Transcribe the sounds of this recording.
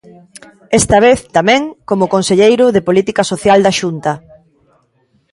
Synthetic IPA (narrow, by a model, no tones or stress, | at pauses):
ɛst̪ɐβ̞eθt̪amɛ̃ŋkomʊkonseʎejɾʊðepolit̪ikasoθjald̪aʃunt̪ɐ